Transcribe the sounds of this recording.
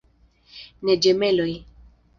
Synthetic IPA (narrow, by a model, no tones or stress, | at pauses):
nɛd͡ʒɛmɛloj